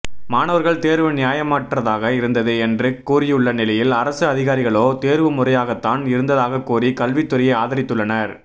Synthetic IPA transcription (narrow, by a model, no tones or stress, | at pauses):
maːnɐʋɐɾɣɐɭt̪eːɾʋɯnɪjaːjɐmaːʈrɐðaːɣɐɪɾɯnd̪ɐðɯɛndrɯkːuːrɪjɯɭːɐnɪlɐjɪlɐɾɐsɯɐðɪɣaːɾɪɣɐɭoːt̪eːɾʋɯmʊrɐjaːɣɐt̪ːaːnɪɾɯnd̪ɐðaːɣɐkːuːrikɐlʋɪt̪ːʊɾɐjɐɪaːðɐɾɪt̪ːɯɭːɐnɐɾ